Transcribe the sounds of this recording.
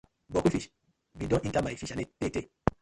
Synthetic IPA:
bokufiʃ | bidɔ̃ĩntamaifiʃanetete

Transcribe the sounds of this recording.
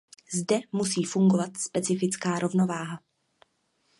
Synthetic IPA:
zdɛmusiːfuŋɡovat̪spɛt͡sɪfɪt͡skaːɾʔo̞vno̞vaːɦa

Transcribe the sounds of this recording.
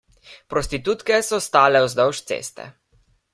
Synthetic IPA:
pɾɔst̪it̪uːt̪kɛsɔst̪aːlɛɔzd̪ɔwʃt̪sḛːst̪ɛ̰

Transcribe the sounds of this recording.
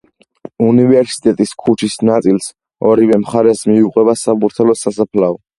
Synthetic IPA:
univɛɾsi̥t̪ʼɛt̪ʼiskʰut͡ʃʰisnat̪sʼils | ɔɾivɛmχaɾɛsmiuqʼwɛbasabuɾt̪ʰalɔsasapʰlaɔ

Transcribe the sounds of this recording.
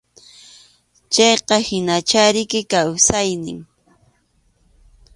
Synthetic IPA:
t͡ʃɑjqɑhɪnat͡ʃaɾɪkɪkawsajnɪ̰ŋ

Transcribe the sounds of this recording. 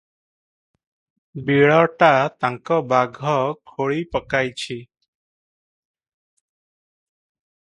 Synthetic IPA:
biɭɔʈat̪aŋkɔbaɡʱɔkʰoɭipəkajt͡ʃʰi

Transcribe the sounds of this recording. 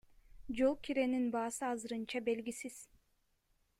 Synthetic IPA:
d͡ʒolˠkʰʲiɾeninbɑːsɯɑzɯɾɯnt͡ʃʰɑbelɡʲisiz̥

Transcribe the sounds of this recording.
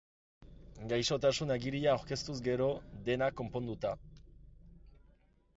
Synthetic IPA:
ɡajso̞t̪asunaɡiɾiaːwɾke̞st̪uzɡe̞ɾo̞d̪e̞nakːo̞mpo̞nd̪ut̪a

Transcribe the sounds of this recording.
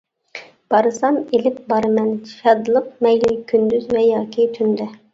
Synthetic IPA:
b̥ɑɾɨsɑnelɪp̚bɑɾɨmɛnt͡ʃʰʃɑd̪ɨlˠɨp̚mɛjlɪkʲʰynd̪yzvɛjɑːkʲit̪ʰynd̪ɛ

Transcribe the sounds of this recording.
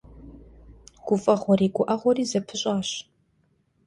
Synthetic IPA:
ɡ̥ʷʊfʼɐʁʷɔɾiːɡʷʊʔɐʁʷɔriːzɐpʰɨɕʼaːɕ

